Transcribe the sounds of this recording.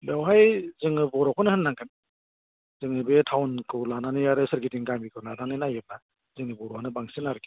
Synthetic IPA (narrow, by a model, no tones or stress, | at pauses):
lawɦajzɯŋɯbɔɾɔwkʰɔnɯhɯnːaŋkʰɯn | z̥ɯŋɯbetʰawnkʰɯwlananɯjaɾɯsɯɾɡitiŋɡambikʰɯwnananɯnajeb̚a | zɯŋɯbɔɾɔhanɯbaŋsinaɾɯki